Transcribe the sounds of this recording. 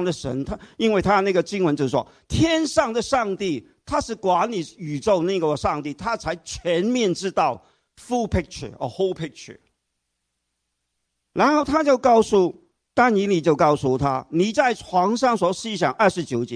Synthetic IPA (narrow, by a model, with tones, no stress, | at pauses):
ŋd̪ə˨˩ʂə̰˧˥nt̪ʰa˥i˥nwe˥˩ɪt̪ʰa˥na˥˩ɡə˩t͡ɕi˥ŋwə˧˥t͡ɕjo˥˧ʊ˩ʂwɔ̰˥ | t̪ʰjɛ˥nʂɑ˥˩ŋd̪ə˨˩ʂɑ˥˧ŋt̪i˥˩ | t̪ʰa˥ʂɻ̩˥˩kwa˧˥nli˨˩y˨˩t͡so˥˧ʊna˥˩ɡə˨ʂɑ˥˧ŋt̪i˥˩t̪ʰa˥t͡sʰa˧˥ɪt͡ɕʰɥɛ˧˥nmjɛ˥˧nʈ͡ʂɻ̩˥t̪ɑ˥˩ʊ | fu˥˧pʰi˥k̚t͡ʃʰə̰˨˩ə̰˨˧˩ho˥ʊpʰɪ˥k̚t͡ʃʰə̰˨˩ | ɻa˧˥nxo˥˩ʊt̪ʰa˥t͡ɕjo˥˧ʊkɑ˥˧ʊsu˥˩ | t̪a˥ni˧˥nli˨˩t͡ɕjo˥˧ʊkɑ˥˩ʊsu˥˩t̪ʰa̰˥ni˨˩t͡sa˥˩ɪʈ͡ʂʰwɑ˧˥ŋʂɑ˥˩ŋswɔ˧˥ɕi˥˧ɕ̬jɑ̰˨˩ŋʔə˞˥˩ʂɻ̩˧˥t͡ɕjo˨˥ʊt͡ɕjɛ˧˦